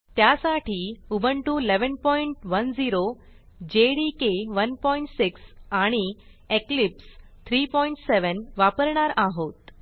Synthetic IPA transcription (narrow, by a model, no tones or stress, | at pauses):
t̪jasaʈʰiubʱəɳʈuleʋənpɔiɳʈʋənd͡ziɾo | d͡ʑeɽikeʋənpɔiɳʈsiksaɽ̃i | eklipst̪ʰɾipɔiɳʈseʋənʋapəɾɳaɾʔaɦot̪